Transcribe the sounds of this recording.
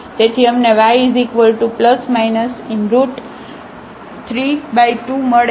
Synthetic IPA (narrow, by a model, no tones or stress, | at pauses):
d͡ʒ̪et̪ʰiəmneʋaizikʋəlʈupləsmajnəsɪnɾuʈ | t̪ʰɾibajʈuməɽ